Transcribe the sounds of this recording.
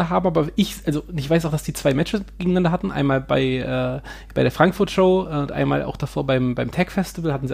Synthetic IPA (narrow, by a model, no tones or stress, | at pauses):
ɐɦaːbm̩ʔaːbɐʔɪçʔalzonɪçv̥aɪsaʊxd̥asd̥iːt͡sv̥aɪmɛt͡ʃəɡ̥eːɡŋ̩nandɐɦatn̩ʔa̰ɪnmaːlba̰ɪʔɛː | b̥aɪɾeːɐfʁ̥aŋkfʊɐtʃoʊʊntʔa̰ɪnma̰ːlʔa̰ʊxd̥afoːɐbaɪmbaɪmtʰɛkfɛstɪvəl̩hatn̩zi